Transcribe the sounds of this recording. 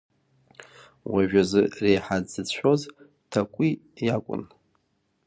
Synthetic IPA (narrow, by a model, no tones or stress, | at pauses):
waʒᶣazɨrejħad͡zɨt͡ɕʷʰoz | tʰakʷʼijakʷʼʊ̰n